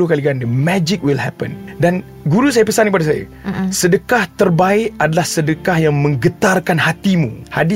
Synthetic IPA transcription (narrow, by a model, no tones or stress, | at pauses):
ukaliɡanəmɛd͡ʒik̚wilhɛ̰pə̰̃ndan | ɡuɾus̬ajapəsankəpadasaja̰sədəkaht̪ərbaɪʔadalahsədəkahjaŋmə̃ŋɡət̪arkanhat̪imṵ̃hadi